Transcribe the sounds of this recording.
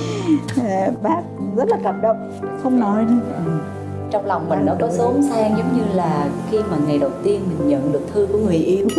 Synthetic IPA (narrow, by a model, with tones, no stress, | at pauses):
aː˨˩ɓaː˦˥p̚ɣə˦˥t̚laː˨˩kə˨˩m̚ɗə˨˧˨wŋ͡m | xə˧wŋ͡mnɔ˨˦jɗi˧ʔɨ˨˩ | t͡ɕɔ˧wŋ͡mla˨˩wŋ͡mma˨˩nɔ˨˦kɔ˨˦sə˨˦msaː˧ŋzə˨˦wŋ͡mɲɨ˧laː˨˩xi˧maː˨˩ŋa˨˩jɗə˨˩wt̪i˧ənmï˨˩ŋ̟ɲə̰˧˨nɗɨ˨˩ək̚t̪ʰɨ˧ku˧˩əŋɨ˨˩əjʔi˧əw